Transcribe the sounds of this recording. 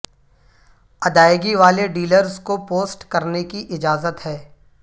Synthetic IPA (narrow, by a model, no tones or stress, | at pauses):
ɐd̪aːjɡiʋaːleɖiːləɾzkopoːsʈkɐɾnekiʔɪd͡ʒaːzət̪ɦɛː